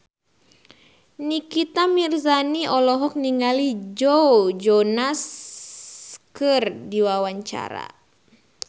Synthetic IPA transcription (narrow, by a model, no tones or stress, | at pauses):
nikit̪amirzaniɔlɔɦɔk̚niŋalid͡ʒɔd͡ʒɔnas | kɨrdiwawaɲt͡ʃa̰ɾa̰